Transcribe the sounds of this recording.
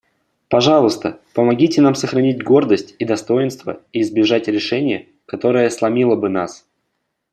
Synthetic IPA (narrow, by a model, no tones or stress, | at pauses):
pɐʐɑlˠəst̪əpəmɐɡʲitʲɪnamsəxɾɐnʲitʲɡo̞rd̪əsʲtʲid̪ɐst̪o̞jɪnst̪və̰iːzbʲɪʐatʲɾʲɪʂɛnʲɪjə | kɐt̪o̞ɾəjəslˠɐmʲilˠəbɨnas